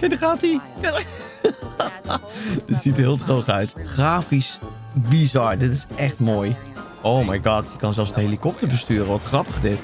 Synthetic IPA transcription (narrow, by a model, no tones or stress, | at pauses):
kedəχaːti | d̥ɪtsitɦɪːlˠtrowχœɥtχraːfis | bizɑɹdɪtɪsʔɛxtmoːj | ʔowmajɡɑːtjəkɑnzɛlˠfsdəhelikɔp̚təɹbəstyːrəʋɔtχrɑpəχdɪt